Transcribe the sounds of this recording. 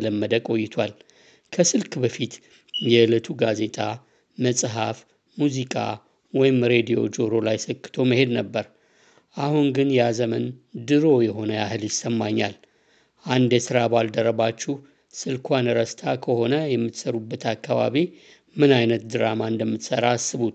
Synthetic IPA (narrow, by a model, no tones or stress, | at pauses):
ləmːəd̪əkʼo̞jːɪt̪ʰwal | kʰəsɨlkbəfit̪ | jɛɨlət̪ʰuɡaze̞t̪ʰʼa | məsʼɦaf | muzikʼa̰ | wɔjɪmɾe̞d̪ijo̞̰d͡ʒo̞ɾo̞lajsəkːɨ̥t̪ʰo̞məhe̞d̪nəbːəɾ | ʔahuŋɡɨnjazəmənd̪ɨɾo̞jɛɦo̞nəjahɨljɪsːəmːaɲːa̰l | ʔand̪jɛsɨɾabald̪əɾəβat͡ʃːuh | sɨlkʰʷanɨɾəst̪ʰakʰəho̞nəjɛmːɨt̪səɾubːət̪ʰakːaβa̰βi | mɨnajnət̪̚d̪ɨɾamaɨnd̪əmːɨt̪səɾasːɨβut̪